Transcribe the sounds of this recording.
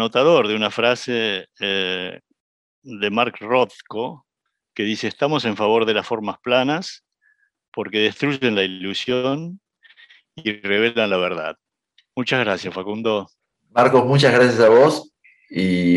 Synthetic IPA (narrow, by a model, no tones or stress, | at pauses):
no̞t̪að̞oɾðeunafɾasee | ðemaɾkrot̪ko | ke̞ðiseːst̪amo̞se̞ɱfaβo̞ɾðe̞lasfo̞ɾmasplanas | po̞ɾke̞ðe̞st̪ɾuʒe̞nlailusjon | ire̞β̞e̞lanlaβ̞eɾða̰ð | mut͡ʃazɣɾasjasfakund̪o | maɾkosmut͡ʃazɣɾasjasaβos | i